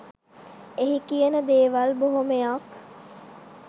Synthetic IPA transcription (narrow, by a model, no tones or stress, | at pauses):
eɦikijənəd̪eːʋalboɦomejak